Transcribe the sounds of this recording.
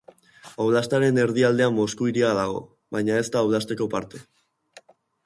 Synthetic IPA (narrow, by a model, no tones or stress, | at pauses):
awlast̪aɾe̞ne̞ɾðiald̪e̞amːo̞skuiɾiaðaɣo̞̰ | βajɲae̞st̪aːwlast̪e̞ko̞pa̰ɾt̪e̞